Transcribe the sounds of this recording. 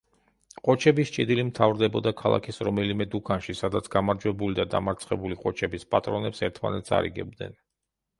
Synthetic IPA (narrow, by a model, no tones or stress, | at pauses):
qʼɔt͡ʃʰɛbist͡ʃʼid̪ilimt̪ʰavɾd̪ɛbɔd̪akʰalˠa̰kʰisɾɔmɛlimɛd̪ukʰanʃisad̪at̪sʰɡamaɾd͡ʒwɛbulid̪ad̪a̰maɾt̪sʰχɛbuliqʼɔt͡ʃʰɛbispʼat̪ʼɾɔnɛpsɛɾt̪ʰma̰nɛt̪sʰa̰ɾḭɡɛ̰b̚d̪nɛ̰n